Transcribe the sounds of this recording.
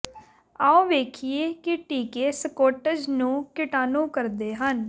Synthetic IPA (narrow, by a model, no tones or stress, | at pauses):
aːõːʋeːkʰieːkɪʈiːkeːsəkoːʈəd͡ʒnũːkɪʈaːnũːkəɾd̪eːɦən